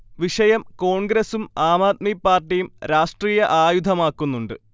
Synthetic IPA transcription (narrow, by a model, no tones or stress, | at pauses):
ʋiʂɐjɐmko̞ːɳɡɾesumaːmaːt̪̚mipːaːrʈːijumɾaːʂʈriːjɐʔaːjud̪ʱɐmaːkːunːuɳɖɨ